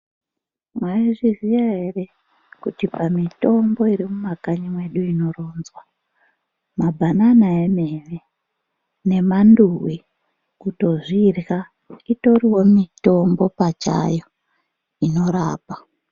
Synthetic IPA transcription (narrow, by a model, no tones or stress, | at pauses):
mwaiʐizijaɦe̞re̞ | kutipamito̞mbo̞iɾimumakaɲimwe̞ɗuino̞roːnzwa | mabʱananaemene | ne̞manduwi | kuto̞ʐirɣa | ito̞riwo̞mito̞mbo̞pat͡ʃa̰jo | ino̞ɾaːpa